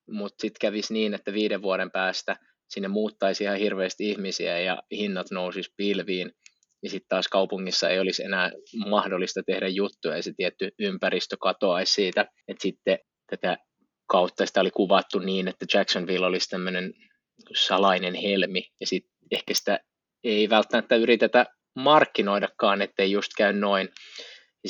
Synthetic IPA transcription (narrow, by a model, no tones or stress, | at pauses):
mut̪sit̪kæʋisniːnet̪ːæʋiːdeʋʋuɑɾempæːst̪æ | sinːemmuːt̪ːɑisihɑhirʋeːst̪ihmisiæjɑ̰hinːɑt̪nousispilʋiːn | jɑsit̪t̪ɑːskɑupuŋːisːɑḛijolisḛnæːmɑhdolːˑist̪ɑt̪ehdæjjut̪ːueiset̪iɛt̪ːyympærist̪økɑt̪oɑissiːt̪æ | et̪sit̪ːe | t̪æt̪æ | kɑut̪ːɑsi̥t̪æolikuʋɑt̪ːuniːnet̪ːæ̥d͡ʒæksonʋilːolist̪æmːønen | sɑlɑinenhelmijɑsit̪ | ehkæsi̥t̪æ | eiʋælt̪ːæmæt̪ːæyrit̪et̪æ | mɑrkːinoidɑkːɑːnet̪ːeijust̪kæynnoin | j